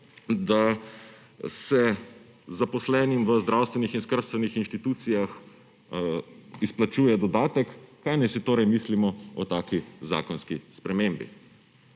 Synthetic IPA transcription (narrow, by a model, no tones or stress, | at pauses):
d̪a | sɛ | zapɔslɛːnimʋəzd̪ɾawst̪ʋɛnixinskəɾst̪ʋɛnixinʃt̪it̪uːt̪sijax | isplat͡ʃuːjɛd̪ɔd̪aːt̪ɛkːajnajsit̪oːɾɛjmislimɔɔt̪aːkiza̰ːkɔnskispɾɛmembḭ